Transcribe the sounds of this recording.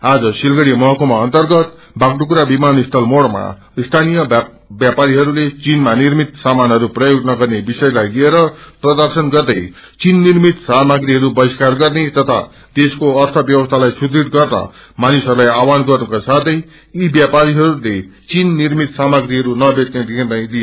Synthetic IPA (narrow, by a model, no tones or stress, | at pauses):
ad͡zʌsilɡʌɽimʌɦʌkomaʌnt̪ʌrɡʌt̪̚ | baɡɖukuɾabimanist̪ʰʌlmoɽma̰ | st̪ʰanijʌ | bjapaɾiɦʌɾulet͡sinmanirmit̪samanɦʌɾuprʌjoɡnʌɡʌrnebisʌjlajɡieɾʌprʌd̪ʌrsʌnɡʌrd̪ʌj | t͡sinːirmit̪samaɡɾiɦʌɾubʌiskarɡʌrnet̪ʌt̪ʰa̰ | d̪eskoʌrt̪ʰʌbjʌwʌst̪ʰalajsud̪ɾiɽɡʌrdʌ̰ | manisɦʌɾulajawanɡʌrnukasat̪ʰʌj | ibjapaɾiɦʌɾulet͡sinːirmit̪samaɡɾiɦʌɾunʌbet̪ned̪ikʰed̪aj̃d̪ie